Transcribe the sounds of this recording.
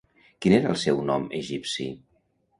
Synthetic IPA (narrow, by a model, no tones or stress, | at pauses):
kineɾəlˠsɛwnɔməʒipsḭ